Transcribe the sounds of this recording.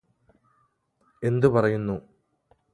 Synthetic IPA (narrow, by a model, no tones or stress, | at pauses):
e̞nd̪ɨpɐrɐjunːu